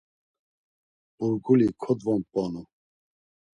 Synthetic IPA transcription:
b̥uɾɡulikʰɔd̪vɔmpʼɔnu

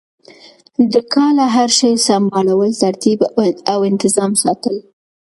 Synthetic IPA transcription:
d̪əkʰɑlaɦaɾʃəjsambɑlawəlt̪aɾt̪ibd̪awɪnt̪ɪzɑmsɑt̪əl

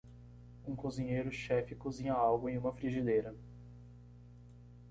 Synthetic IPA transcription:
ũkozĩɲejɾʊʃɛfɪkozĩɲɐawɡʊẽj̃ũmɐfɾiʒid̪ejɾɐ

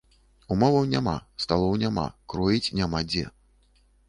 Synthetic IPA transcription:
umɔvɐwnʲama̰st̪alˠɔwnʲama̰kɾɔjit͡sʲnʲamad͡zʲɛ̰

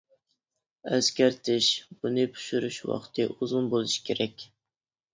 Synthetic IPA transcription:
æskʲæɾt̪ʰɪʃb̥unɨpʰu̥ʃyɾyʃwɑ̰qt̪ʰɨʔuzʊmbolˠuʃi̥kʲʰeɾɛkʲ

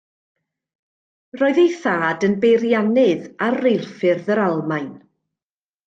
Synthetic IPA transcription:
roːɨðejθaːdənbejrjanɨðarːejlˠfɨrðəɾalˠmajn

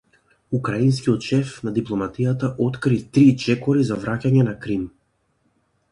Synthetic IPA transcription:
ukɾainskʲiɔt̪ʃɛfnad̪iplˠɔmat̪ijat̪aʔɔt̪kɾit̪ɾit͡ʃɛkɔɾizavɾacaɲɛnakɾim

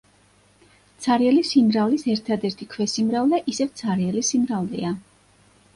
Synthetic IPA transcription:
t̪sʰaɾiɛlisimɾavlisɛɾt̪ʰad̪ɛɾt̪ʰikʰwɛsimɾavlɛʔisɛvt̪sʰaɾiɛlisimɾavlḭa

